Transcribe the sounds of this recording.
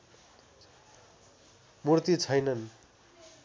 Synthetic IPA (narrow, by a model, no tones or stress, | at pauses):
murt̪it͡sʰʌjnʌn